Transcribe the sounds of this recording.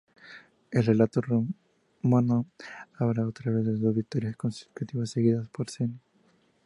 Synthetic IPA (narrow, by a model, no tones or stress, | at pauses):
elrelat̪oro | manoaβɾaot̪ɾaβezðeðozβik̚t̪oɾjaskonsit̪ut̪iβasːeɣiðaspoɾseni